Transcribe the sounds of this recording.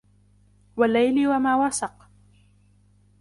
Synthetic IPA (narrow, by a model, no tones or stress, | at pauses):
walːajlɪwamaːwasɑq